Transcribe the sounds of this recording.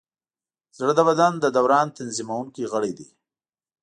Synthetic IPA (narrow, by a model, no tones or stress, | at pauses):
z̥ɽəd̪abad̪and̪əd̪awɾɑnt̪anzimawuŋkiɣəɽid̪i